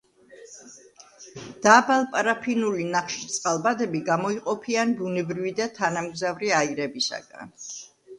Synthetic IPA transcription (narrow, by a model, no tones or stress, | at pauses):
d̪̥aːbalˠpʼaɾapʰinulinaχʃit̪sʼqʼalˠbad̪ɛbiɡamɔiqʼɔpʰianbunɛbɾivid̪at̪ʰanamɡzavɾiaiɾɛbisa̰ɡ̥a̰n